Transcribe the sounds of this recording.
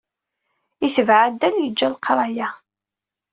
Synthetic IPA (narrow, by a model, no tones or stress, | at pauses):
iθəvʕad̪ːæljəd͡ʒːælqʰɾˤɑjæ